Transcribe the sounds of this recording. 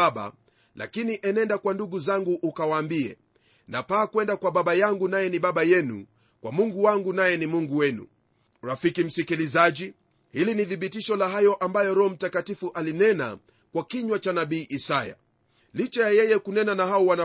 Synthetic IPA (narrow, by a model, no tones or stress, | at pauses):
aɓa̰ | lʔa̰kiniʔɛnɛndakwanduɡuzaŋɡuʔːkawaːmbiɛ̰ | napaːkwɛndakwaɓaɓajaŋɡunajɛniɓaɓajɛnṵ | kwamuŋɡuwaŋɡunajɛnimuŋɡuwɛnṵ | ɾafikim̩sikilizaʄi | hiliniθiɓitiʃɔlaɦajɔʔambajɔɾɔɔm̩takatifuʔalinɛna̰ | kwakiɲwat͡ʃanaɓiːʔisaja̰ | lit͡ʃajajɛjɛkunɛnanaɦaɔwana